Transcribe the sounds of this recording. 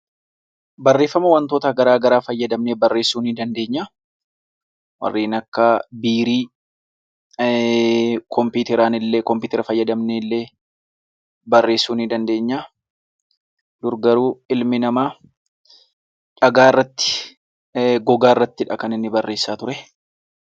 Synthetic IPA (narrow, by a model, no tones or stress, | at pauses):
bɐrːe̞ːfːɐmɐwɐnt̪oːt̪ɐɡɐɾaːɡɐɾaːfɐjːɐd̪ɐmneːbɐrːe̞ːsːuːnɪd̪ɐnd̪e̞ːɲːaː | wɐ̰rːiːnɐkːɐbiːɾiː | kʰɔmpuːt̪ɛɾaːnɪlːeːkɔmpɪːt̪ɛɾɐfɐjːɐd̪ɐmneːlːeː | bɐrːeːsːuːnɪd̪ɐnd̪e̞ːɲːaː | d̪ʊɾɡɐɾuːɪlmɪnɐmaː | ᶑɐɡaːrːɐt̪ːɪ̥ | ɡɔɡaːɪrːɐt̪ːɪᶑɐkɐnɪnːɪbɐrːe̞ːsːaːt̪ʊɾɛ